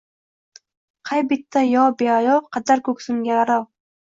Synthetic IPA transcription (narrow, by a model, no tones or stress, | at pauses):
qʰajbɪt̪ʰːajɒbeajɒqʰɑd̪aɾkʰɵksʊŋɡʲaaɾawˠ